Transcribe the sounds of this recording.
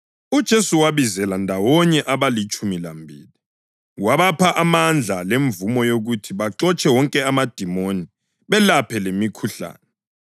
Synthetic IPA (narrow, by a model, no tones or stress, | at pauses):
ud̥ʒ̥ʱesuwaβizɛlandʱawɔɲɛʔaβalit͡ʃʼumilambʱḭːli | waβapʰaʔamand͡ɮʱaleɱvumɔjoɣutʰiβaǁɔt͡ʃʼɛwɔŋkʼɛamad̥ʱimoni | βɛlapʰɛlemikʰuɬa̰ːnɛ